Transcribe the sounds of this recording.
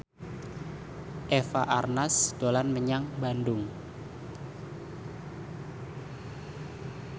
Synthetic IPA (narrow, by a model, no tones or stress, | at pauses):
ʔefaʔarnasd̥olanməɲaŋbandʊŋ